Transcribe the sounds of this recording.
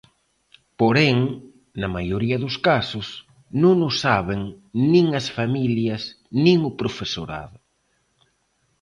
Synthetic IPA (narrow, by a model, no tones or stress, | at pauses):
poɾɛŋ | nɐmajoɾiɐðʊskasʊs | nõŋnʊsaβeŋnĩŋɐsfamiljɐs | nĩŋʊpɾofeso̰ɾa̰ðʊ